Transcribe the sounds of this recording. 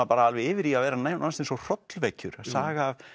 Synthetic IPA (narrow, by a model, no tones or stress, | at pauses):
apaːɾaalvɪɪːvɪɾiavɛːɾanaːjmnansensɔr̥ɔt̪lvɛjcʏ̰ɾaðsaːɣaːv